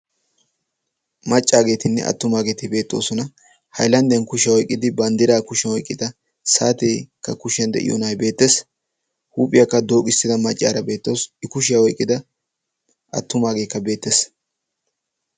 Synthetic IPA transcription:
mɐt͡ʃʼːaːɡe̞ːt̪ɪnːɛ̰ʔɐ̰t̪ːʊmaːɡe̞ːt̪ɪbe̞ːt̪ːo̞̰ːsɔnɐ | hɐ̰jlɐnd̪jɐnkʊʃɪjɐwɔjkʼːɪd̪ɪbɐnd̪ɪɾaːkʊʃɐwɔjkʼːɪd̪ɐ | saːt̪ekːɐkʊʃɪjɐnd̪ɛ̰ʔɪ̰jo̰nɐjbe̞ːt̪ːes | huːpʼɪjɐkːɐd̪o̞ːkʼɪst̪ːɪd̪ɐmɐt͡ʃʼːa̰ːɾɐbe̞ːt̪ːoːsɪkʊʃɪjɐwɔjkʼːɪd̪ɐ | ʔɐ̰t̪ːʊmaːɡeːkːɐbe̞ːt̪ːes

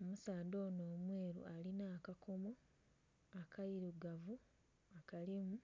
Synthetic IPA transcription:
omusaːdo̞ːnoːmwe̞ːɾṵʔalinaːkakʰomo | akʰajiɾuɡavu | akalimu

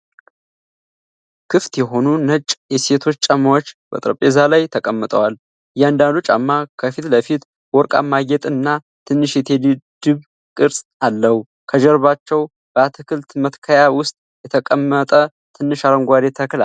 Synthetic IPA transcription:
kʰɨft̪jɛɦo̞nunət͡ʃʼjɛse̞t̪ʰo̞t͡ʃːt͡ʃʼamːawot͡ʃːbə̰t̪ʼɾəpʼezalajt̪ʰəkʼəmːət̪ʼəwal | ɨjɛand̪and̪ut͡ʃʼa̰mːakʰəfit̪ləfit̪ | wɔɾkʼa̰mːaɡɛt̪ʼɨnːa | t̪ʰɨnːɨʃjɛt̪ʰe̞lɨd̪ɨβ | kʼɨɾsʼalːəhu | kʰəd͡ʒɛɾβat͡ʃːɛw | b̥əat̪ʰɨkʰɨlt̪mət̪kʰəjawʊst̪ʼ | jɛt̪ʰəkʼəmːət̪ʼə | t̪ʰɨnːɨʃaɾəŋɡʷad̪e̞t̪ʰəkla

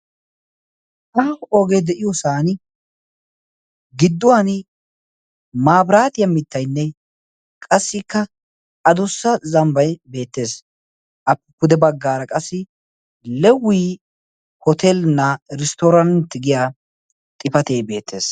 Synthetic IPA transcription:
ʔɐoːɡejd̪ɛʔɪjɔsaːn | ɡɪd̪ːʊwan | maːbɾaːt̪ɪjɐmɪt̪ːɐjnːɛ | kʼɐsːɪkːɐ | ɐd̪ʊsːɐzɐmbɐjbe̞ːt̪ːe̞ːs | ʔɐpːɛkʊd̪ɛbɐɡːaːɾɐkʼɐsːɪ | lɛwːiː | hɔt̪ʰelnːɐɾɪst̪ɔɾɐnt̪ːɪɡɪjaː | t̪ʼɪpɐt̪eːjbe̞ːt̪ːe̞ːs

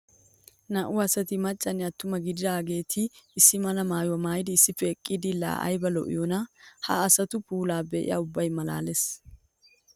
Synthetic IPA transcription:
nɐʔʊɐsɐt̪ɪmɐt͡ʃʼːɐnɪɐt̪ːʊmɐɡɪd̪ɪd̪aːɡe̞ːt̪ʰɪːsːɪmɐlɐmaːjʊwɐmaːjɪd̪ɪːsːɪfɛːkʼːɪd̪ɪla̰ːʔɐ̰jbɐlɔ̰ʔɪ̰jɔnɐhɐ̰ːsɐt̪ʊpuːlaːbɛʔɪ̰ja̰ːʊbːɐjmɐla̰ːles

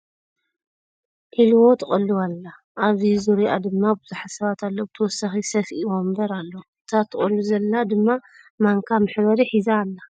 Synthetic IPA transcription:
ʔilwo̞t̪ʰɐχʼɐlːuwalːa | ʔaβizuɾia̰d̪ɨmːabɨzuħasɐβat̪ʰalːobt̪ʰɐwɔsaxisɐfʔiwombɐɾalːoɨt̪ʰat̪ʰːɨχʼɐlːuzɐlːad̪ɨmːa | maŋkʰamɨħβɐɾiħizaːlːa

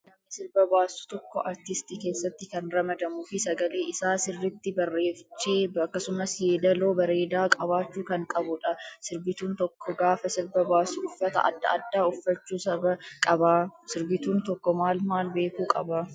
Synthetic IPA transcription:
lɐmːɪsɪɾbɐbaːsʊ̥t̪ɔkːɔʔɐɾt̪ɪst̪ike̞ːsːɐt̪ːɪkɐnɾɐmɐd̪ɐmʊfɪsɐɡɐle̞ːʔɪsaːsɪrːɪt̪ːɪbɐrːe̞ːft͡ʃːeːɐkːɐsʊmɐsjeːd̪ɐloːbɐɾe̞ːd̪aːkʼɐbaːt͡ʃːuːkɐŋkʼɐbʊᶑɐsɪɾbɪt̪uːnt̪ɔkʰːɔɡaːfɐsɪɾbɐbaːsʊʊfːɐt̪ɐ̰ʔɐ̰d̪ːɐɐd̪ːaːʊfːɐt͡ʃːuːsɐbɐkʼɐbaːsɪɾbɪt̪uːnt̪ɔkːɔmaːlmaːlbe̞ːkuːkʼɐba

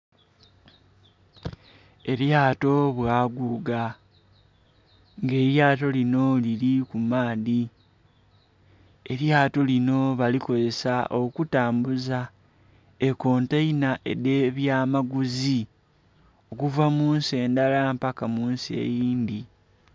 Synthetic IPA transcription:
e̞ɾjaːto̞βwaːɡuɡa | ŋɡe̞ːɾjaːto̞lino̞lilikumaːði | e̞ɾjaːto̞lino̞βaliko̞ze̞saʔo̞kutaːmbuza | eko̞ːntainaʔe̞̰deβjaːmaɡuzi | o̞kuvamuːnse̞ːndalampakamuːnsiḛjiːndi

